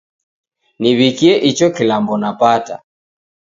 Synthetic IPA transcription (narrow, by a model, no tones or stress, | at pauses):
niβikiɛʔit͡ʃɔkilambɔnapata̰